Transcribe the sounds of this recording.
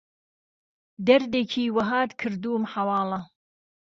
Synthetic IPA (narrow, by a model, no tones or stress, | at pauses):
d̪ɐɾd̪eːkʰiːwɐɦaːt̪kʰɨɾd̪uːmħawɑːlˠɐ